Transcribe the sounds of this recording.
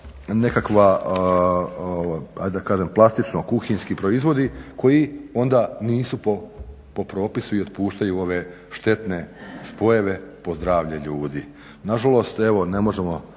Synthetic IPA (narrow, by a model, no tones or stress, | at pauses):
ne̞kakʋa | oa̰j̪d̪akaːʒemplˠast̪it͡ʃnokuxiɲskipɾo̞izʋo̞d̪iko̞jio̞nd̪aniːsupo | po̞pɾo̞ːpisuio̞t̪puːʃt̪ajuo̞ʋe | ʃt̪e̞t̪ne̞spo̞jeʋe̞po̞zd̪ɾaːʋʎeʎuːd̪i | naʒalo̞st̪e̞ʋo̞ne̞mo̞ʒe̞mo̞